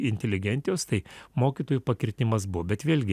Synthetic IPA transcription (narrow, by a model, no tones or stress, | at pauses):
ɪnʲt̪ʲɛlʲɪɡʲɛnʲt̪ʲɪjoːst̪ɐɪmoːkʲiːt̪oːjupɐkʲɪɾʲt̪ʲɪmɐsbʊʋoːbʲɛt̪ʋʲeːlʲɡʲɪ